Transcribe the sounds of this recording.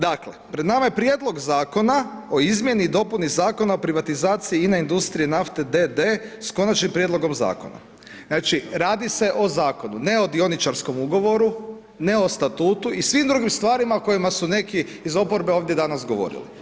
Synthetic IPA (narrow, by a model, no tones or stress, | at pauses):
d̪aklḛpɾe̞d̪namajepɾje̞d̪lˠo̞ɡzaːko̞nao̞izmje̞niːd̪o̞punizaːko̞naopɾiʋat̪izaːt̪siiːnaind̪ust̪ɾiinaft̪ed̪ed̪e̞sko̞nat͡ʃnimpɾje̞d̪lˠo̞ɡo̞mza̰ːko̞̰na̰ | naːt͡ʃiɾaːd̪ise̞ʔo̞zaːko̞nune̞o̞d̪io̞nit͡ʃaɾsko̞muɡo̞ʋo̞ɾu | ne̞o̞st̪at̪uːt̪uisʋimd̪ɾuɡimst̪ʋaːɾimako̞jimasune̞ki | izo̞po̞ɾbe̞oʋd̪je̞d̪anasɡo̞ʋo̞̰ɾḭlḭ